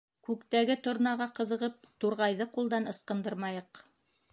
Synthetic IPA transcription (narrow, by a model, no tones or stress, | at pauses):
kʉkt̪æɡɘt̪ŏɾnɑʁɑqɤ̆ðɤ̆ʁɤp̚t̪uɾʁɑjðɤqulˠd̪ɑnɤ̆sqɤ̆nd̪ɤɾmɑjɤq